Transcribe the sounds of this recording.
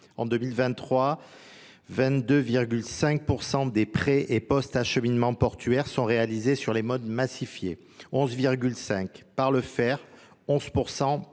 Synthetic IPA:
ɑ̰̃d̪ømilvɛ̃t̪ːχwa | vɛ̃t̪d̪øviʁɡʲylsɛ̃k̚puʁsɑ̃d̪epχɛʔepɔst̪aʃəminmɑ̃pɔʁt̪ʰɥɛʁsɔ̃ʁealizesyʁlemɔd̪masifjḛ | ɔ̃zviʁɡʲylsɛ̃kpaʁləfɛʁ | ɔ̃zpuʁsɑ̃

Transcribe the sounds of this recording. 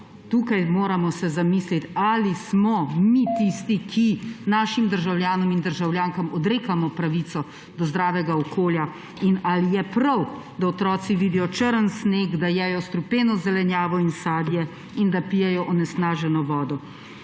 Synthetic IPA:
t̪uːkajmoːɾamɔsɛzamiːslit̪alismɔmit̪ist̪ikʰinaːʃimd̪əɾʒawljaːnɔmind̪əɾʒawljaːŋkamɔd̪ɾeːkamɔpɾaʋit̪sɔ | d̪ɔzd̪ɾaːʋɛɡaɔkʰoːlja | inalijɛpɾaw | d̪aɔt̪ɾɔːt̪siʋid̪ijɔt͡ʃəɾənsneːɡd̪ajɛjɔst̪ɾupeːnɔzɛlɛnjaːʋɔinsaːd̪jɛ | ind̪apijɛjɔʔɔnɛsnaːʒɛnɔʋɔːd̪ɔ

